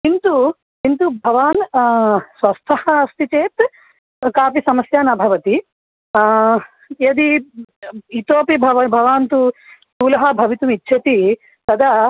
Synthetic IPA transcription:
kint̪u | kint̪ubʱɐʋaːn | sʋɐst̪ʰɐhɐst̪it͡ʃeːt̪ | kaːpisɐmɐsjaːnɐbʱɐʋɐt̪i | jed̪i | it̪oːpibʱɐʋɐbʱɐʋaːnt̪usuːlɐɦɐbʱɐʋit̪umitːʃʰɐt̪i | t̪ɐd̪ɐ

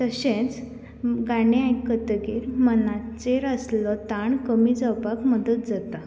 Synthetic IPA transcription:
t̪əɕẽt͡s | ɡaɽeajkət̪ɡiɾmənat͡seɾəslɔt̪aɳkəmid͡zəwpakməd̪ət̪̚d͡zat̪a

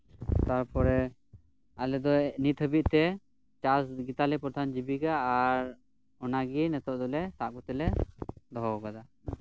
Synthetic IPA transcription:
t̪aɾpɔɾɛ | alɛd̪ɔnit̪ɦəbiʔ̚ˀt̪ɛ | t͡ʃasɡit̪alipɾɔd̪ʱand͡ʒibiɡaːɾ | ɔnaɡinɛt̪ɔʔd̪ɔlɛsaʔɡɔt̪ɛlɛd̪ɔɦɔɡad̪a

